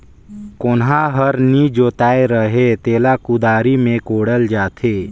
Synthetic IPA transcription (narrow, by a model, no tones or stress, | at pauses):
kʊnɦaɦəɾnid͡ʒoːt̪aːeɾəɦet̪eːlakʊd̪aːɾimẽkoːɽəld͡ʒaːt̪ʰeː